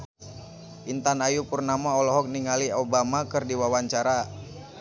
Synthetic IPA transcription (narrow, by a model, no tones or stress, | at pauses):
ʔint̪anajupurnamaɔlɔɦɔk̚niŋaliobamakɨrdiwawaɲt͡ʃaɾa